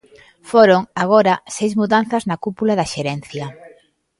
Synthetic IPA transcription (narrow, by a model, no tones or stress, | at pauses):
foɾoŋaɣ̞oɾɐsejzmuðan̟θɐznɐkupulaðɐʃeɾɛn̟θjɐ